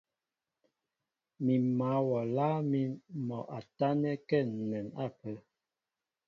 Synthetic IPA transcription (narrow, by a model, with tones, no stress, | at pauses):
mi˨ma˨˦wɔ˨laː˦mi˦nmɔ˨ʔa˨ta˦nɛ˦kɛ˦˨n̩˨nɛ˨na˦˨pə˨˦